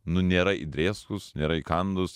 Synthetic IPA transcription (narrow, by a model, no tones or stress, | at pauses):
nʊnʲeːɾɐid̪ʲɾʲeːskʊsnʲeːɾɐɪkɐnd̪ʊs